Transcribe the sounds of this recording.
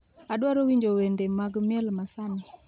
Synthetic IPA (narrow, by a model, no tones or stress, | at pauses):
adwaɾowiɲd͡ʒowendemaɡmɪɛlmasanɪ